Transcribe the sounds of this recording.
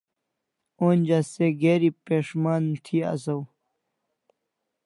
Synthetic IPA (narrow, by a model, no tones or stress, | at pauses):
oːnʲd͡ʑaseɡeːɾipeːʂmaːnt̪ʰia̰sɐw